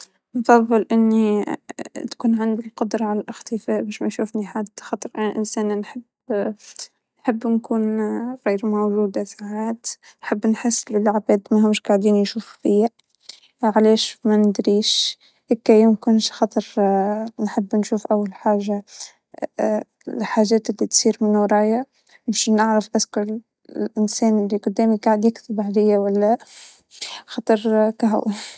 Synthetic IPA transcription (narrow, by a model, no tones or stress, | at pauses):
nfɑðˤːɨlʔɪnːi | t̪kuːnʕɪnd̪ilqʊd̪ɾˤɑʕalælʔɪxt̪ɪfæːʔbæːʃmæʃuːfniħad̪xɑt̪ˤɾʔanʔɪnsæːnnħəb | nħəbːnkuːnɣiːɾmowʒuːd̪asaʕaːt̪ | nħəbːnħasːlɪlʕbæːd̪mæɦʊmːʃɡaʕd̪iːnjʃuːffia | ʕlæːʃmænɪd̪ɾiːʃ | hekːæjʊmkʊnʃxɑt̪ˤəɾˤnħəbːnʃuːfʔawːalħaːʒa | ħaːʒɛːt̪ɪlːit̪siːɾmɪnɾˤɑːja | mʊʃnaʕɾəfʔæskʊl | lʔɪnsɛːnɪlːiqʊd̪ːɛːmiɡaʕd̪jɪkt̪ɪbʕd̪ɪjːawælːæ | xɑt̪ˤəɾˤkæɦʊ̰w